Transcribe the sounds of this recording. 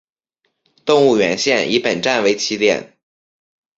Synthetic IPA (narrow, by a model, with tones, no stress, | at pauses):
t̪ʊ˥˧ŋu˥˩ɥɛ˧˥nɕjɛ˥˩ni˧˥pə˨˩nʈ͡ʂa˥˩nwe˧˥ɪt͡ɕʰi˧˥ljɛ̰˥˩n